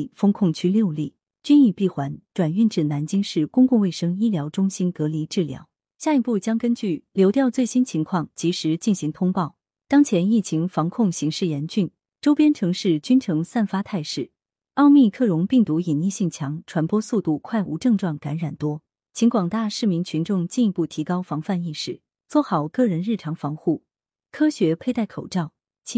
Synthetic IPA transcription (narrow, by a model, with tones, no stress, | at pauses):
fɤ˥ŋkʰʊ˥˩ŋt͡ɕʰy˥ljo˥˧ʊli˥˩ | t͡ɕy˥ni˥˧pi˥˩xwa˧˥nʈ͡ʂwa˨˩ny˥˧nʈ͡ʂɻ̩˥˩na˧˥nt͡ɕi˥ŋʂɻ̩˥˩kʊ˥ŋkʊ˥˧ŋwe˥˩ɪʂɤ˥ŋi˥ljɑ˧˥ʊʈ͡ʂʊ˥ŋɕi˥nkɤ˧˥li˧˥ʈ͡ʂɻ̩˥˩ljɑ̰˧˥ʊ | ɕja˥˧i˧˩pu˥˩t͡ɕjɑ˥ŋkə˥nt͡ɕy˥˩ljo˧˥ʊt̪jɑ˥˧ʊt͡swe˥˩ɪɕi˥nt͡ɕʰi˧˥ŋkʰwɑ˥˩ŋt͡ɕi˧˥ʂɻ̩˧˥t͡ɕi˥˩nɕi˧˥ŋt̪ʰʊ˥ŋpɑ˥˩ʊ | t̪ɑ˥ŋt͡ɕʰjɛ˧˥ni˥˩t͡ɕʰi˧˥ŋfɑ˧˥ŋkʰʊ˥˩ŋɕi˧˥ŋʂɻ̩˥˩jɛ˧˥nt͡ɕy˥˩n | ʈ͡ʂo˥ʊpjɛ˥nʈ͡ʂʰɤ˧˥ŋʂɻ̩˥˩t͡ɕy˥nʈ͡ʂʰɤ˧˥ŋsa˥˩nfa˥t̪ʰa˥˧ɪʂɻ̩˥˩ | ɑ˥˧ʊmi˥˧kʰɤ˥˩ɻʊ˧˥ŋpi˥˩ŋt̪u˧˥i˨˩nni˥˧ɕi˥˩ŋt͡ɕʰjɑ˧˥ŋʈ͡ʂʰwa˧˥npwɔ˥su˥˧t̪u˥˩kʰwa˥˩ɪʔṵ˧˥ʈ͡ʂɤ˥˧ŋʈ͡ʂwɑ˥˩ŋka˧˥nɻa˨˩nt̪wɔ˥ | t͡ɕʰi˧˥ŋkwɑ˨˩ŋt̪a˥˧ʂɻ̩˥˩mi˧˥ŋt͡ɕʰy˧˥nʈ͡ʂʊ˥˧ŋt͡ɕi˥˩ni˧˥pu˥˩t̪ʰi˧˥kɑ˥ʊfɑ˧˥ŋfa˥˧ni˥˧ʂɻ̩˥˩ | t͡swɔ˥˩xɑ˨˩ʊkɤ˥˩ɻə˧˥nɻ̩˥˩ʈ͡ʂʰɑ˧˥ŋfɑ˧˥ŋxu˥˩ | kʰɤ˥ɕɥɛ˧˥pʰe˥˧ɪt̪a˥˩ɪkʰo˨˩ʊʈ͡ʂɑ˥˩ʊ | t͡ɕʰ